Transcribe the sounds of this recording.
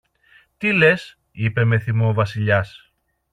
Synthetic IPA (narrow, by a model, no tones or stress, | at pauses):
t̪ile̞s | ipe̞me̞θimoːvɐsiʎɐs